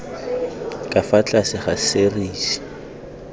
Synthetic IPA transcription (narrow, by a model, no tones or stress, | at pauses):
kʼafat͡ɬʼasɪχaseriːsi̥